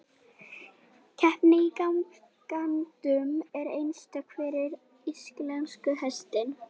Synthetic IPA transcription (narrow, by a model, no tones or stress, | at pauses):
cʰɛhpnɪikawm | kant̪ʏmɛɾejnst̪akʰvɛːɾɪɾ | isklɛnskʏɦɛst̪ɪn